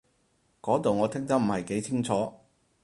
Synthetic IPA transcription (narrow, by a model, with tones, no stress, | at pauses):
kɔː˨˥t̪o˨wŋɔː˨˧t̪ʰɪ˥ŋt̪ɐ˥m̩˨˩hɐ˨˩jke˨˥jt͡sʰɪ˥ŋt͡sʰɔː˨˥